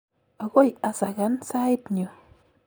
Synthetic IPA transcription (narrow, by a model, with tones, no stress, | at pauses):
a˨ɣo˦˨ja˨sa˨ɣa˨˦nsa˦jt̪ɲo˨